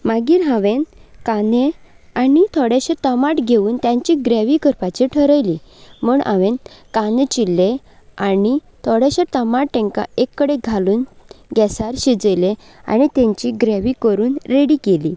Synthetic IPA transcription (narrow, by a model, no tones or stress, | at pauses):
maɡiːɾɦãʋenkane | anit̪ʰɔɽjeɕet̪əmaʈɡʱeʋuːnt̪jãɲt͡ɕiɡɾeʋikəɾpat͡ɕiʈʰəɾəjlimuːɳã̰ʋẽnkanẽt͡ɕilːe | ani | t̪ʰɔɽeɕat̪əmaʈʈɛ̃ŋka̰ekːəɽeɡʱaluːnɡɛsaɾɕid͡zəjle | a̰nit̪ẽɲt͡ɕiɡɾeʋikəɾuːnɾeɽikeliː